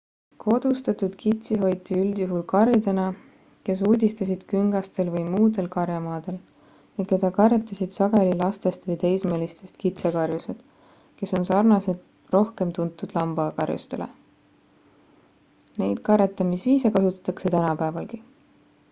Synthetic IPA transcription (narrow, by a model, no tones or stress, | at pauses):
kʰo̞d̪̥ust̪ɑt̪ud̪̥kit̪siɦo̞jt̪ːˑiyld̪̥juɦulkɑɾjid̪e̞nɑ | ke̞s̬uːd̪ʲist̪ɑsid̪̥kyŋɡ̥ɑst̪e̞lvɤjmuːd̪e̞lkɑɾjɑmɑːd̪̥e̞l | jɑke̞d̪̥ɑkɑret̪ːˑɑsid̪̥sɑɡ̥e̞lilɑst̪e̞st̪vɤjt̪e̞jsme̞ːlist̪e̞st̪kit̪se̞kɑrjuse̞d̪̥ | ke̞so̞nsɑrnɑsed̪ | ro̞hke̞mt̪unt̪ːˑud̪̥lɑmb̥ɑkɑrjṵst̪e̞lḛ | ne̞jd̪̥kɑret̪ːˑɑmisviːsekɑsut̪ːˑɑ̥t̪ːˑɑkse̞t̪ænɑpæevɑlki